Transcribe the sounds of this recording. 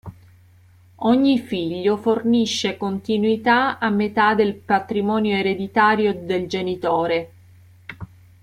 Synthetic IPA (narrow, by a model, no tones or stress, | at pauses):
ɔɲːifiʎːoforniʃːekont̪inwit̪aamːet̪ad̪elpat̪ɾimɔːnjoeɾed̪it̪aːɾjod̪eld͡ʒenit̪oːɾe